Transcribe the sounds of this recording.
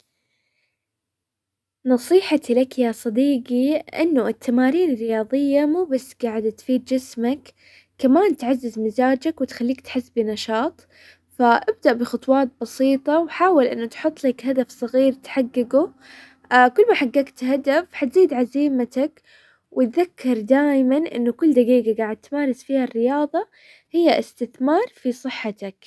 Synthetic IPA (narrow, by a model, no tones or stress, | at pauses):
nɑsˤiːħat̪ilakjasˤɑd̪iːɡiʔɪ̰nːʊʔɪt̪ʰːamaːɾiːnɪrːɪjɑːðˤɨjːamuːbasːɡaːʕɪd̪t̪fiːd̪̚d͡ʒɪsmakː | amaːnt̪ʕazːɪzmɪzaːd͡ʒakwɪt̪xalːiːk̚t̪ħɪsːbinɑʃɑːt̪ˤ | faʔɪb̚d̪aʔbɪxɑt̪ˤwɑːt̪̚bɑsiːt̪ˤɑwħaːwɪlʔɪnːʊt̪ħʊt̪ˤːlakɦad̪afsˤɑɣiːɾt̪ħaɡːɪɡu | kʊlːmaħaɡːaːkt̪had̪afħat̪ziːd̪ʕaziːmat̪ak | wʔɪt̪ðakʰːɑɾˤd̪aːjmanʔɪ̰nːʊkʊlːd̪aɡiːɡaɡaːʕɪd̪̚t̪maːɾɪsfiːharːɪjɑːðˤɑ | hɪjːaʔɪst̪ɪθmɑːɾˤfisˤɨħːat̪ak